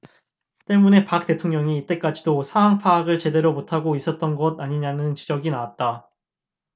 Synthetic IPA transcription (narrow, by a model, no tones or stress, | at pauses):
t͈e̞mune̞pak̚t͈e̞tʰoŋɲʌŋiːt͈e̞k͈ad͡ʑidosʰaaŋpʰaːɡɯɭt͡ɕe̞de̞ɾomotʰaɡois͈ʌt̚t͈ʌnɡʌdaɲiɲanɯnt͡ɕid͡ʑʌɡinawat̚t͈a